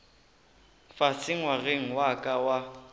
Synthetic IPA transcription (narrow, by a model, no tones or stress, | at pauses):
fasʰɪŋ̩waɣeŋ̩wakʼawa